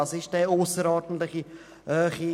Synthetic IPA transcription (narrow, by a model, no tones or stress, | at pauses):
ɑsɪʃdɛosəɾɔːdn̩tlɪχi | øːχi